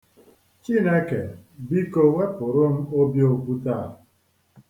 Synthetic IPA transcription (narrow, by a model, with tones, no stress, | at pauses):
t͡ʃi˦˨ne˦kḛ˨bi˦ko˦we˦pʊ˨ɾʊ˦m̩˦o˦bjo˦ku˦ta˦˨